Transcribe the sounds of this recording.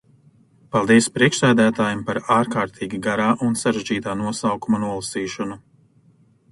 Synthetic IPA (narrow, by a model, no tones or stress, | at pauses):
palˠd̪iɛspɾiɛkʃsæːd̪æːt̪aːjɛmpaɾaːɾkaːɾt̪ʰiːɡʲiɡaɾaːʔunsaɾeʒd͡ʒiːt̪aːnuɔsawkumanuɔlˠasiːʃɔnu